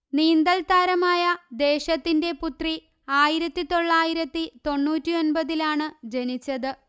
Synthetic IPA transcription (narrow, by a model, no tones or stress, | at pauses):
niːnd̪ɐlt̪aːɾɐmaːjɐd̪e̞ːɕɐt̪ːinde̞put̪ri | aːjiɾɐt̪ːit̪o̞ɭːaːjiɾɐt̪ːit̪o̞ɳːuːtːio̞nbɐðilaːɳɨd͡ʑe̞nit͡ɕːɐðɨ